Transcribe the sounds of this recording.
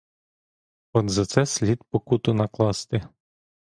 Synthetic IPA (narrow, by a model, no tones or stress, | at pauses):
ɔd̪zɐt̪sɛsʲlʲid̪pɔkut̪ʊnɐklˠɑst̪ɪ